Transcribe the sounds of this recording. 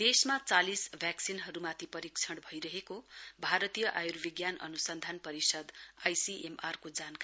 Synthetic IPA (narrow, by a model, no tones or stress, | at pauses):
d̪esmat͡salisbʱjaksinɦʌɾumat̪ʰipʌɾikt͡sʰʌɽbʱʌjɾʌɦekobʱaɾʌt̪ijʌʔajurbiɡjanʌ̰nusʌnd̪ʱanpʌɾisʌd̪ajsiʔemarkod͡zanka